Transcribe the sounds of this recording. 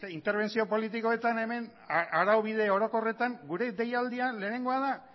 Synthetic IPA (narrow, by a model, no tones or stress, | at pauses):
int̪eɾβ̞e̞nsio̞po̞lit̪iko̞e̞t̪ane̞me̞n | aɾawβið̞e̞o̞ɾo̞ko̞re̞t̪aŋɡuɾe̞ðe̞jald̪ianle̞ːne̞ŋɡo̞að̞a